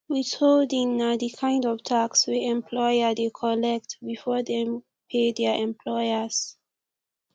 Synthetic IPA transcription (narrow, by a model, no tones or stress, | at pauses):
witʰoldĩŋnadikʰãj̃ndɔvtʰakswɛɛ̃mpʰlɔjədekʰɔlɛk̚tbifɔdɛ̃m | pʰedɛʔɛ̃mpʰlɔjəs